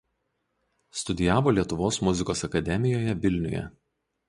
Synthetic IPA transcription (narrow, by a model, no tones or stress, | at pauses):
st̪ʊd̪ʲɪjæːʋoːlʲiɛt̪ʊʋoːsmʊzʲɪkoːsɐkɐd̪ʲɛmʲɪjoːjɛʋʲɪlʲnʲʊ̰jɛ̰